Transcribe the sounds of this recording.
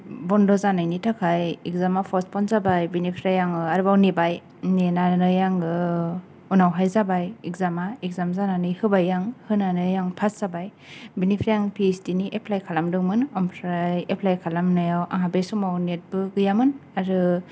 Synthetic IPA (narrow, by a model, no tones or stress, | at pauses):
bɔndɔzanajnitʰakʰajikzamapʰɔspʰɔnzabajbinipʰɾajaŋɯaɾɯbawnebaj | nenanɯjaŋɯ | unawɦajzabajikzamaek̚zamzananɯjhɯbajːaŋhɯnanɯjaŋpʰasz̥abaj | binipʰɾajaŋpʰiesdiniʔepʰlajkʰalamdɯŋmɯnɔmpʰɾajepʰlajkʰalamnajawʔa̰ŋɦabesɔmawnet̚bɯɡɯjamɯnaɾɯ